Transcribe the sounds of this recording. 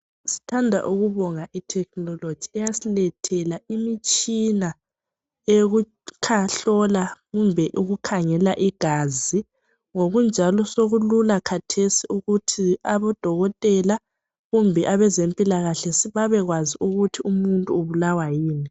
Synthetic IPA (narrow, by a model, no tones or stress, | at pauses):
si̥tʰandʱa̰ʔuɣuβɔŋaʔitʰɛk̚ʰnɔlod̥d͡ʒ̥ʱiɛjasilɛtʰɛlaimit͡ʃʼina | eɣu | kʰaɬɔlaɣumbʱɛʔuɣukʰaŋɛlaʔiɡ̥ʱazi | ŋoɣund͡ʒʱalɔsoɣululakʰatʰesiuɣutʰiaβɔd̥ʱɔɣɔtʼɛla | ɣumbʱɛʔaβɛzempʼilaɣaɬɛsiβaβɛɣwaziʔuɣutʰiumuntʼuuβulawajiːni